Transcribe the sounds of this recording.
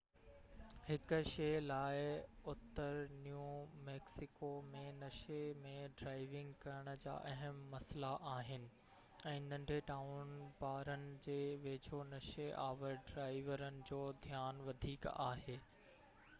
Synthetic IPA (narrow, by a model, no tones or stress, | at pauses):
hɪkʊ̆ʃeːlaːɪʊt̪ːəɾnjuːmɛːksɪkomẽnɐʃemẽɖɾaːɪʋɪ̃ŋɡkɐɾəɽ̃ə̆d͡ʑa̰ːʔɐɦəmːɐslaʔaːɦɪnɪ̆ | ɛ̃ːnɐ̃ɳɖʱeʈaːʊnbaːɾənɪ̆d͡ʑeːʋeːd͡ʑʱonɐʃeʔaːʋəɾɖɾaːɪʋəɾənɪ̆d͡ʑoːd̪ʱjaːnʋɐd̪ʱiːka̰ːɦeː